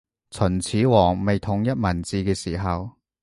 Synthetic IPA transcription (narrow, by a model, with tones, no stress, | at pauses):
t͡sʰɵ˨˩nt͡sʰiː˨˥wɔː˨˩ŋme˨jt̪ʰʊ˨˥ŋjɐ˥t̚mɐ˨˩nt͡siː˨˧kɛː˧siː˨˩ɦɐ˨w